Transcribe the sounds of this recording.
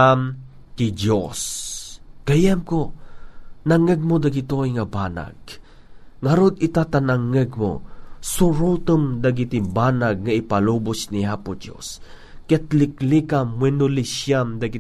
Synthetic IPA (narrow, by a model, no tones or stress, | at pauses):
am | kɪd͡ʒos | ɡ̥ajamko | naŋəɡ̚mod̪aɡɪt̪ojŋabana̰ɡ̥̚ | ŋaɾod̪ɪt̪at̪anaŋəɡmo̰sʊɾot̪omd̪aɡit̪ɪbanaɡ̚ŋaɪpalobʊsniapʊd͡ʒo̰s | kɛt̪lɪklikamwɛnʊlɪʃjamd̪ɐɡɪ